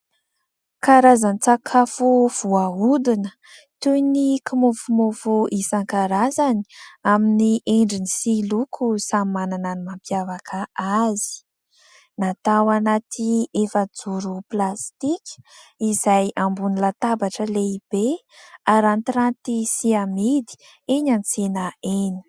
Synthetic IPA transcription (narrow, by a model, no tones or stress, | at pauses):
kaɾazanit͡sakʰafuv̥uaud̪inə̥ | t̪unikʰimofumofuʔisaŋkaɾazani̥aminiʔeɳɖ͡ʐinisilukʰusamimanananimampjavakʰaʔazi̥ | nat̪awanat̪ʰiefəd͡zuɾuplast̪ikʲizajʔambunilat̪abaʈ͡ʂəleib̥e | aɾant̪ɾant̪isiamid̪i̥ | eɲant͡senaeni̥